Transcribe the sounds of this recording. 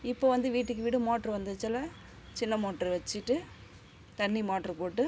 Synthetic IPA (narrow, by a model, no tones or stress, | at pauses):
ɪpːoːʋɐnd̪ɯʋiːʈːɯk̬ːɯʋɪɽɯmoːʈːɾɐʋɐnd̪ɯt͡ʃːɐlɐ | t͡ʃɪnːɐmoːʈɾɐʋɛt͡ʃːɪʈːɯ | t̪ɐnːimaːʈɾɐpoːʈːɯ